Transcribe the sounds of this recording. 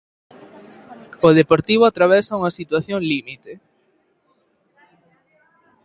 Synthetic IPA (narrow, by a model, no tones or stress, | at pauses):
ʊð̞epoɾt̪iβ̞ʊat̪ɾaβɛsauŋɐsit̪waθjoŋlimit̪e